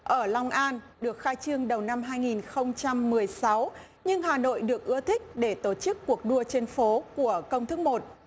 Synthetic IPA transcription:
ʔəː˧˩la˧wŋ͡mʔaː˧n | ɗɨ˨˩ək̚xaː˧jt͡ɕɨ˧əŋɗə˨˩wna˧mɦaː˧jŋi˨˩nxə˧wŋ͡mt͡ɕa˧mːɨ˨˩əjsa˨˦w | ɲɨ˧ŋɦaː˨˩no̰˧˨jɗɨ˨˩ək̚ʔɨ˧ət̪ʰï˦˥k̟̚ɗe˧˩t̪o˧˩t͡ɕɨ˦˥kːu˨˩ək̚ɗu˧ət͡ɕe˧nfo˨˦ku˧˩əkə˧wŋ͡mt̪ʰɨ˦k̚mo˨˩t̚

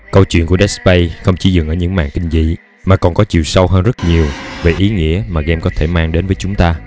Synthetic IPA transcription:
kə˧wt͡ɕwḭ˧˨ənku˧˩əɗɛ˦˥spə˧jxə˧wŋ͡mt͡ɕi˧˩zɨ̰˨˩ŋʔəː˧˩ɲɨ̰˧˥ŋma̰ː˧˨ŋkï˧ŋ̟zḭ˧˨ | maː˨˩kɔ˨˩nkɔ˨˦t͡ɕḭ˧˨wsa˧wɦəː˧nzə˦˥t̚ɲi˨˩əwve˨˩ʔi˨˦ŋḭ˧˥əmaː˨˩ɣɛ˧mkɔ˨˦t̪ʰe˧˩maː˧ŋɗe˨˦nvəː˨˦jt͡ɕʊ˨˦ŋ͡mt̪aː˧

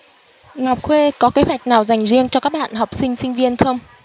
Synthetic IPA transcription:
ŋa˨˩wk͡p̚xwe˧kɔ˨˦ke˨˦ɦwa˨˩jk̚naː˨˩wza˨˩jŋ̟zi˧əŋt͡ɕɔ˧kaː˦˥k̚ɓa̰ː˧˨nha˨˩wk͡p̚sï˧ŋ̟sï˧ŋ̟vi˧ənxə˧wŋ͡m

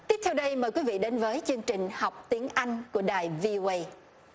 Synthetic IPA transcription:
t̪i˦˥pt̪ʰɛ˧wɗə˧jməː˨˩jkwi˨˦vḭ˧˨ɗe˨˦nvəː˨˦jt͡ɕɨ˧əŋt͡ɕï˨˩ŋ̟ha˨˩wk͡p̚t̪i˨˦əŋʔa˧jŋ̟ku˧˩əɗaː˨˩jvi˧ʔo˧ʔə˧j

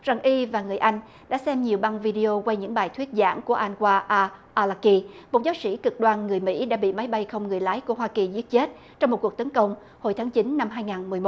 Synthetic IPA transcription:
za˨˩ŋʔi˧vaː˨˩ŋɨ˨˩əjʔa˧jŋ̟ | ɗa̰ː˧˥sɛ˧mɲi˨˩əwɓa˧nvi˧ɗi˧o˧kwa˧jɲɨ̰˧˥ŋɓaː˨˩jt̪ʰwi˦˥ət̚za̰ː˧˥nku˧˩əʔa˧jŋ̟kwaː˧ʔaː˧ʔaː˧laː˧ki˧mo˨˩t̚za˨˦wsḭ˧˥kɨ˨˩k̚ɗwaː˨˩nŋɨ˨˩əjmḭ˧˥ɗa̰ː˧˥ɓḭ˧˨ma˨˦jɓa˧jxə˧wŋ͡mŋɨ˨˩əjlaː˨˦jku˧˩əɦwaː˧ki˨˩zi˦˥ət̚t͡ɕe˦˥t̚ | t͡ɕɔ˧ŋ͡mo˨˩ku˨˩ək̚t̪ə˨˦nkə˧wŋ͡m | ho˧˩jt̪ʰaː˨˦ŋt͡ɕi˨˦nːa˧mɦaː˧jŋaː˨˩nmɨ˨˩əjmo˨˦

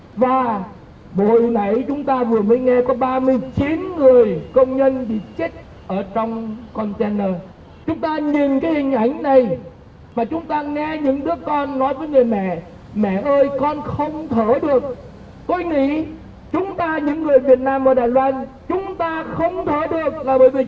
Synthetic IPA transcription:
vaː˨˩ | ɓo̰˧˨jna˧˩jt͡ɕʊ˨˦ŋ͡mt̪aː˧vɨ˨˩əməː˨˦jŋɛ˧kɔ˨˦ɓaː˧mɨ˧əjt͡ɕi˨˦nŋɨ˨˩əjkə˧wŋ͡mɲə˧nɓḭ˧˨t͡ɕk̚ | ʔəː˧˩t͡ɕɔ˧wŋ͡mkɔ˧nt͡ɕɛ˧nːəː˧ | t͡ɕʊ˨˦ŋ͡mt̪aː˧ɲi˨˩nkaː˨˦jhï˨˩ŋ̟ʔa˧˩jŋ̟na˨˩j | maː˨˩t͡ɕʊ˨˦ŋ͡mt̪aː˧ŋɛ˧ɲɨ̰˧˥ŋɗɨ˦˥əkːɔ˧nːɔ˨˦jvəː˨˦jŋɨ˨˩əjmɛ̰˧˨ | mɛ̰˧˨ʔəː˧jkɔ˧nxə˧wŋ͡mt̪ʰəː˧˩ɗɨ˨˩ək̚ | t̪o˧jŋḭ˧˥ | t͡ɕʊ˨˦ŋ͡mt̪aː˧ɲɨ̰˧˥ŋːɨ˨˩əjvi˨˩ət̚naː˧mʔəː˧˦ɗaː˨˩jlwaː˧n | t͡ɕʊ˨˦ŋ͡mt̪aː˧xə˧wŋ͡mt̪ʰəː˧˩˦ɗɨ˨˩ək̚laː˨˩ɓəː˧˩jvi˨˩

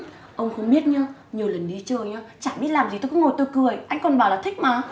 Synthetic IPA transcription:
ʔə˧wŋ͡mxə˧wŋ͡mɓi˦˥ət̚ɲaː˧ɲi˨˩əwlə˨˩nɗi˨˦t͡ɕəː˨˩jɲaː˧t͡ɕa̰ː˧˨ɓi˦˥ət̚laː˨˩mzi˨t̪o˧kʊ˧˥ŋ͡mŋo˨˩jt̪o˧jkɨ˨˩əjʔa˧jŋ̟kɔ˨˩nɓaː˧˩wlaː˨˩t̪ʰï˦˥k̟̚maː˨˩˦

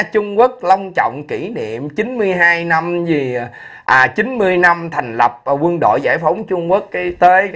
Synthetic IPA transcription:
t͡ɕʊ˧ŋ͡mkwə˦˥ək̚lə˧wŋ͡mt͡ɕɔ̰˧˨wŋ͡mki˧˩nḭ˧˨əmt͡ɕi˨˦nmɨ˧əjɦaː˧jna˧mzi˨˩ | ʔaː˨˩t͡ɕi˨˦nmɨ˧əjna˧mt̪ʰa˨˩jŋ̟lə˨˩p̚kwə˧nɗo̰˧˨jza̰ː˧˩jfə˨˦wŋ͡mt͡ɕʊ˧ŋ͡mku˦˥ək̚ːt̪əː˨˦j

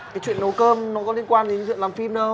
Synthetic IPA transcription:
kaː˨˦jt͡ɕwḭ˧˨ənːə˨˦kəː˧mnɔ˨˦kɔ˨˦li˧ənkwaː˧nɗe˨˦t͡ɕwḭ˧˨laː˨˩fi˧mɗə˨˧

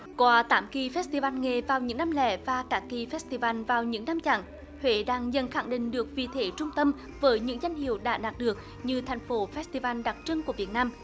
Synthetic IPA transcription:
kwaː˨˦t̪aː˨˦mki˨˩fɛ˦˥s̚t̪i˧˩vaː˧nŋe˨˩vaː˨˩wɲɨ̰˧˥ŋnaː˧mlɛ̰˧˩vaː˨˩kaː˨˦˥ki˨˩fɛ˦˥st̪i˧˩vaː˧nvaː˨˩wɲɨ̰˧˥ŋnaː˧mt͡ɕa̰ː˧˩˨ŋ | hwḛ˧˨ɗaː˧ŋzə˧˩nxa˧˩ŋɗḭ̈˧˨ŋ̟ɗɨ˨˩ək̚vḭ˨t̪ʰe˨˦t͡ɕʊ˧ŋ͡mt̪ə˧m | vəː˨˦jɲɨ̰˧˥ŋza˧jŋ̟hḭ˧˨əwɗa̰ː˧˥ɗaː˨˩t̚ɗɨ˨˩ək̚ | ɲɨ˧t̪ʰa˨˩jŋ̟fo˨˦fɛ˦˥st̪i˧vaː˧nɗa˨˩t̚t͡ɕɨ˧ŋku˧˩əvi˨˩ət̚naː˧m

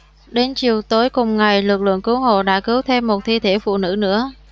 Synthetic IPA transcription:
ɗe˨˦nt͡ɕi˨˩əwt̪o˨˦jkʊ˨˩ŋ͡mŋa˨˩jlɨ˨˩k̚lɨ̰˧˨əŋkɨ˨˦wɦo̰˧˨ɗa̰ː˧˥kɨ˨˦wt̪ʰe˧mːo˨˩t̚t̪ʰi˧t̪ʰe˧˥fṵ˧˨nɨ̰˧˥nɨ̰˧˥ə

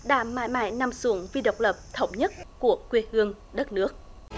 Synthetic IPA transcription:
ɗa̰ː˧˩ma̰ː˧˨jma̰ː˧˨jna˧˩msu˨˧˦əŋvi˧ɗə˨˩wk͡p̚lə˨˩p̚t̪ʰə˧˦wŋ͡mɲə˦˥t̚ku˧˩əkwi˧˩hɨ˧əŋ | ɗə˦˥t̚nɨ˦˥ək̚

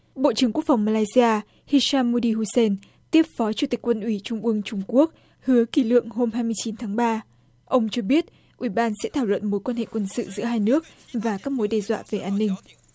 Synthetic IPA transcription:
ɓo̰˧˨t͡ɕɨ˧˩əŋku˦˥kfa˨˩wŋ͡mmaː˧laː˧jzi˧aː˧ | hi˧saː˧mːu˧ɗi˧ɦu˧se˧n | t̪i˦˥əp̚fɔ˨˦t͡ɕu˧˩t̪i˨˩k̟kwə˧nʔwi˧˩t͡ɕʊ˧ŋ͡mʔɨ˧əŋt͡ɕʊ˧ŋ͡mku˦˥ək̚ | hɨ˨˦əki˧˩lɨ̰˧˨əŋho˧mhaː˧jmɨ˧əjt͡ɕi˨˦nt̪ʰaː˨˦ŋɓaː˧ | ʔə˧wŋ͡mt͡ɕɔ˧ɓi˦˥ət̚ | ʔwi˧˩ɓaː˧nsɛ̰˧˥t̪ʰaː˧˩wlwə̰˧˨nmo˨˦jkwaː˧nhḛ˧˨kwə˧nsɨ̰˧˨zɨ̰˧˥əɦaː˧jnɨ˦˥ək̚vaː˨˩kaː˦˥k̚mo˨˦jɗɛ˧zwa̰ː˧˨ve˨˩ʔaː˧nːï˧ŋ̟

